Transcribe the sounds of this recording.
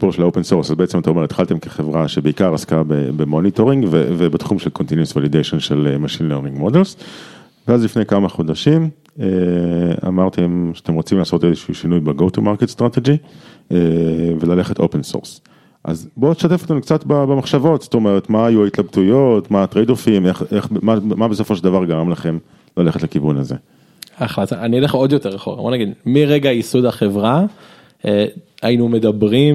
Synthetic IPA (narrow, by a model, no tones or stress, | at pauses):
si̥puʁʃelaopensoʁsazbeet͡se̞mat̪aomeʁet̪χalt̪e̞mkeχevʁaʃebeikaʁaskabḛbemo̞nito̞ʁiŋɡvevebet̪χumʃelkont̪injusvalidejʃonʃelemaʃinleʁnĩŋɡmodels | veazlifnejkamaχodaʃim | ea̰maʁt̪ʰemʃe̥ate̞mʁot͡simlaːso̞tezeʃiːʃinujbeɡo̞tumaʁketst̪ʁat̪ed͡ʒievelale̞χeto̞penso̰ʁs | ʔa̰zboteʃtat̪efot̪e̞mkt͡satbabemaχʃavo̞tst̪o̞meʁet̪maːjuait̪labtujo̞t̪maːt̪ʁejdofimeχeχmamabeso̞foʃeld̪avaʁɡaʁamlaχe̞m | lale̞χetlekivunaze̞̰ | aχlat̪aanileχod̪joteʁaχoʁa̰bonaɡid̪miʁeɡaisud̪aχevʁa | eainumed̪abʁim